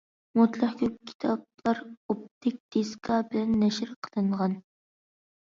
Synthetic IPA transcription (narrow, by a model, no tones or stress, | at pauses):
mut̪lˠæχkʲʰyp̚kʲʰi̥t̪ʰɑb̚lˠɑɾop̚t̪ɪk̚ʲd̪̥eskʰɑbɪlɛnːɛʃɪɾqʰə̥lˠɨɴʁɑn